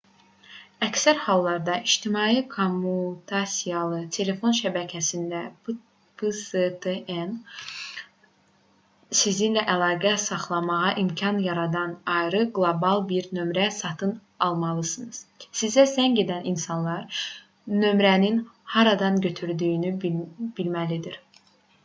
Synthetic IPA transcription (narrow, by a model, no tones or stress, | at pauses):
æcsæɾhɑlˠːɑɾd̪ɑʔiʃt̪ʰimɑːjikʰomːut̪ʰɑsijɑlˠɯt̪ʰe̞le̞fo̞nʃæbæcʰæsind̪æ | pʰset̪ʰeʔen | sizinlæʔælˠɑːɡæsɑχlˠɑmɑʁɑʔimcʰɑnjɑɾɑd̪ɑnɑjɾɯɡlˠobɑlˠbiɾnø̞mɾæsɑt̪ʰɯn | ɑlˠmɑlˠɯsɯnɯz̥sizæsæŋɟe̞d̪æninsɑnlˠɑɾ | nø̞mɾæninhɑɾɑd̪ɑnɟø̞t̪ʰyɾd̪yjynyb̥ilmælid̪iɾ